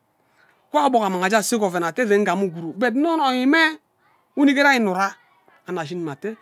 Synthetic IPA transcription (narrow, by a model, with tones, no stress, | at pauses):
kʷa˦bɔ˨ka˨ma˨ŋa˨d͡ʒa˦˨si˦kɔ˨ve˨n˨a˨te˦ze˨˦ŋ̩˦a˨mu˦˨ɡu˨ɾu˨be˨dnɔ˦nɔ˨ji˨mɛ˦ | u˦ni˦ke˦ɾa˦i˦˨nu˨ɾa˦ | a˨na˨ʃ̬i˦ni˨ma˨te˦